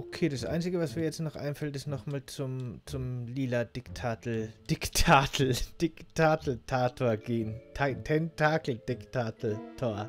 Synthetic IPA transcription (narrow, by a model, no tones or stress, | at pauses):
ʔokʰeːdasʔa̰ɪnt͡sɪɡəvasmiːɐjɛt͡stnɔχʔa̰ɪnfɛltɪstnɔχmaːlt͡sʊmt͡sʊmliːlad̥ɪktʰaːtl̩d̥ɪktʰaːtʰl̩d̥ɪktʰaːtl̩tʰaːtʰoːɐɡeːntʰatʰɛntʰaːkl̩d̥ɪktʰaːkl̩tʰoːɐ